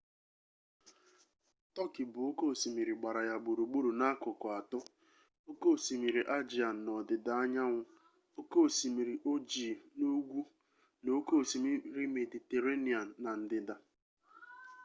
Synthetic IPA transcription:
tɔ˦kɪ˨bʊ˨o˦ko˦˨si˨mi˨ɾi˨ɡ͡ba˨ɾa˨ja˨ɡ͡bu˨ɾu˨ɡ͡bu˦ɾu˨na˦kʊ˨kʊ˨a˨tʊ˦ | o˦ko˦˨si˨mi˨ɾi˨ʔa˦d͡ʒi˨a˨n̩˨nɔ˨dɪ˨da˨a˦ɲa˦ŋʷʊ˦ | o˦ko˦˨si˨mi˨ɾi˨ʔo˦d͡ʒi˨no˦ɡʷu˦ | no˨˦ko˦˨si˨mi˦ɾɪ˦me˨di˨te˨ɾe˦ni˨aː˨a˨n̩˨dɪ˨da˨

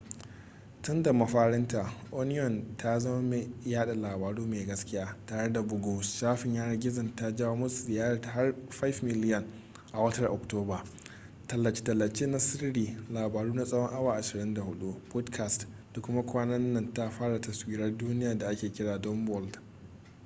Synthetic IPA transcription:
tʊ˦nda˨mɐ˨ɸaː˦ɽɪ˦nta˨ʔo˦nɪ˦jɔ˨ntʰa˦zɐ˦ma˦me˨jaː˦ɗa˨laː˨baː˨ɽuː˦meː˨ɡɐ˦skʲɪ˦jaː˦taː˨ɽe˦da˨bʊ˦ɡo˦sʃaː˦ɸɪ˨ɲjaː˦ɽɐ˨ɡʲɪ˦zɐ˨nta˦d͡ʒa˦wa˦mʊ˦su˨zɪ˨jaː˦ɾa˨ɦa˦rɸa˦fmɪ˦lɪ˦jɐ˨n | ʔa˨wɐ˦tɐ˦rʔɔ˨k̚toː˦baː˨ | tɐ˨lːɐ˨t͡ʃi̥˨tɐ˨lːɐ˨t͡ʃeː˦na˦sɪ˦rɽiː˨laː˨baː˨ɽuː˦na˦sʼɐ˦wɔ˦ŋʔa˦waː˨ʔa˨ʃɪ˨ɽɪ˦nda˨hʊ˦ɗu˦pɔ˦dkʰa˨st | da˨kʷʊ˦ma˦kʷaː˦nɐ˦nːɐ˨nta˦ɸaː˦ɽa˨tɐ˨swiː˦ɾɐ˦rduː˦nɪ˦jaː˨da˨ʔa˦kʲeː˨kʲɪ˦ɽaː˨dɔ˦mbɔ˨ld

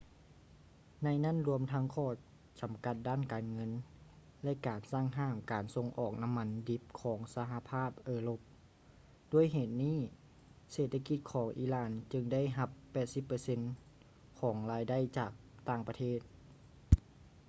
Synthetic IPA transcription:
na˧jna˥˨nɾu˧əmt̪ʰa˧˥ŋkʰɔː˧˩ | t͡ɕa˨˩mka˧˦t̪̚daː˥˨nkaː˨nŋɤ˧˥n | lɛ˧˥ʔkaː˨˩nsaː˥˩ŋɦaː˧˩mkaː˨˩nso˧˥ŋʔɔː˨˩k̚na˧˥mːa˧˥ndi˧˦˥p̚kʰɔː˩˦ŋsa˧ɦa˧pʰaː˥˩p̚ʔɤː˧lo˧p̚ | du˧˩əjɦeː˨˩t̪̚niː˥˩˨ | seː˨˩t̪ʰːa˧ki˧t̪̚kʰɔː˩˦ŋʔiː˧˩laː˧˩nt͡ɕɯ˧ŋda˥˨jɦa˧pːɛː˨˩t̪̚si˧˦pːɤː˧se˧˥n | kʰɔː˩˦ŋlaː˧jda˥˨jt͡ɕaː˨˩k̚t̪aː˧˩ŋpa˧t̪ʰeː˥˩t̪̚

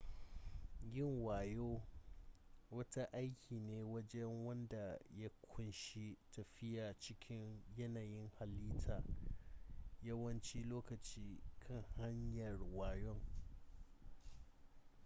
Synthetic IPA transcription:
ɡʲɪ˦˨ŋwaː˨joː˦ | wɐ˦ta˦ʔa˦jkʲʰiː˨neː˦wɐ˦d͡ʒɛ˦ŋwɐ˦nda˨ja˦kʷʰʊ˦nʃi˦tɐ˨ɸɪ˦jaː˨t͡ʃɪ˦kʲʰɪ˦ɲjɐ˦naː˨jɪ˦ŋha˨lːiː˦tʰaː˨ | jɐ˦wɐ˦nt͡ʃi˦loː˦kɐ˨t͡ʃiː˦kʰɐ˦˨ŋha˦ɲjɐ˨rwaː˨jɔ˦ŋ

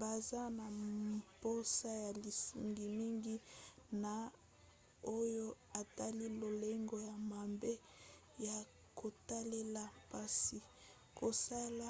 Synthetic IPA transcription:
ba˨za˦na˨po˦sa˦ja˨li˨su˨ŋɡi˨mi˦ŋɡi˦na˨ | o˦jo˦ | a˨ta˦li˦lo˨le˦ŋɡo˦ja˨ma˨mbe˦ | ja˨ | ko˨ta˦le˦la˨pa˦si˨ | ko˨sa˦la˦

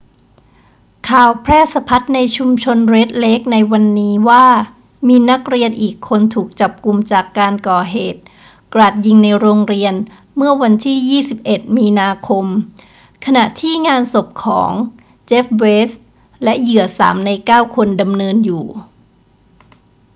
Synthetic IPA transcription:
kʰaː˨˩wpʰɾɛː˥˩sa˧pʰa˦˥t̪̚na˧jt͡ɕʰu˧mt͡ɕʰo˧nɾe˦˥t̪̚le˦˥k̚na˧jwa˧nːiː˦˥waː˥˩ | miː˧na˦˥k̚ɾi˧ənʔiː˨˩kʰːo˧nt̪ʰuː˨˩k̚t͡ɕa˨˩p̚ku˧mt͡ɕaː˨˩kːaː˧nkɔː˨˩ɦeː˨˩t̪̚ | kɾa˨˩t̪̚ji˧ŋna˧jɾoː˧ŋɾi˧ən | mɯ˥˩ɐwa˧nt̪ʰiː˥˩jiː˥˩si˨˩p̚ʔe˨˩t̪̚miː˧naː˧kʰo˧m | kʰa˧na˨˩ʔt̪ʰiː˥˩ŋaː˧nso˨˩p̚kʰɔ̰ː˩˦ŋ | t͡ɕe˦˥f̚weː˦˥s | lɛ˦˥jɯ˨˩əsa̰ː˩˦mna˧jkaː˥˩wkʰo˧nda˧mnɤː˧njuː˨˩

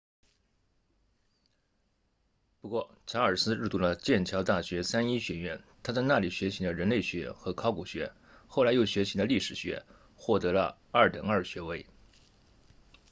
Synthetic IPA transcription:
pu˧˥kwɔ˥˩ | ʈ͡ʂʰa˧˥ə˞˨˩sɹ̩˥ɻɻ̩˥˩t̪u˥˩lə˧t͡ɕjɛ˥˩nt͡ɕʰjɑ˧˥ʊt̪a˥˩ɕɥɛ˧˥sa˥ni˥ɕɥɛ˧˥ɥɛ˧˥nt̪ʰa˥t͡sa˥˧ɪna˥˩li˨˩ɕɥɛ˧˥t͡ɕʰi˧˥d̪ə˧ɻə˧˥nle˥˩ɪɕɥɛ˧˥xɤ˧˥kʰɑ˥ʊku˨˩ɕɥɛ̰˧˥ | xo˥˩ʊla˧˥ɪjo˨˩ʊɕɥɛ˧˥t͡ɕʰi˧˥d̪ə˧li˥˩ʂɻ̩˨˩ɕɥɛ̰˧˥ | xwɔ˥˩t̪ɤ˧˥lə̰˧ | ɐ˞˥˩t̪ə̰˨˩ŋə˞˥˩ɕɥɛ˧˥we˧˥ɪ

